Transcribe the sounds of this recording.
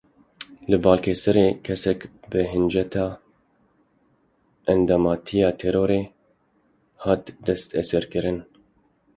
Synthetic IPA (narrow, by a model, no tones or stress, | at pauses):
lɨbɑːlkʰɛsɨɾeːkʰɛsɛkbɨɦɨnd͡ʒɛt̪ʰɑː | ʔɛnd̪ɑmɑːt̪ʰijɑːt̪ʰɛɾoːɾeː | hɑːt̪d̪ɛst̪ɛsɛɾkɨɾɨn